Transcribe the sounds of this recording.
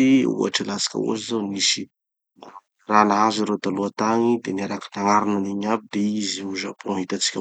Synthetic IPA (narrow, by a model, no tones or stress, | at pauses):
iṵa̰ʈ͡ʂəlasḁkʲə̰ṵa̰zizonisi | ranaɦaziɾed̪aluat̪aɲid̪enaɾakinaŋaɾinaniɲabid̪eiziuzapoaɦit̪at͡si̥kʲə